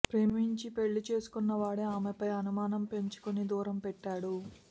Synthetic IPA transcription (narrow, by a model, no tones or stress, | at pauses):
pɾeːmiɲt͡ʃipe̞ɭːit͡ʃe̞ːsu̥kunːɐʋaːɽeaːmepɐjɐnumaːnɐmpe̞ɲt͡ʃu̥konid̪uːɾɐmpɛʈːaːɽu